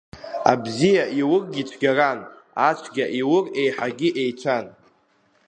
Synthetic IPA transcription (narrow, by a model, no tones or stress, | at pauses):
a̰bzijaʔiwʊrɡʲit͡ʃʷʰɡʲaranat͡ʃʷʰɡʲaʔiwʊre̞jħaɡʲiʔe̞jt͡ʃʷʰan